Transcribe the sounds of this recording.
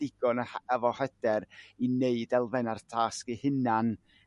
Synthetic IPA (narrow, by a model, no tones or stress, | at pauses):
ɪɡ̥ɔnəɛvɔhɛd̥ɛrineɨdɛlˠvɛnartʰaːskihɪnan